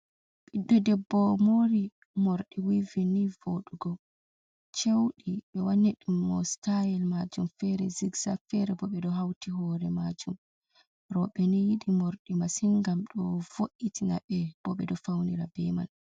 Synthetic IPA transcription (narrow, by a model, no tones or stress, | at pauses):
ɓiɗːɔdɛbːɔmoɾi | moɾɗiwivinivoɗuɡɔ | t͡ʃewɗiɓɛwanːiɗumːɔ̰stajɛlmad͡ʒumfɛɾɛ̰ziɡsafɛɾɛbɔɓɛdɔɦawtiɦɔɾɛmad͡ʒum | ɾɔɓɛnijiɗimoɾɗimasiŋɡamɗɔvoʔitina̰ɓɛb̥ɔɓɛ̰dɔfawniɾabɛma̰n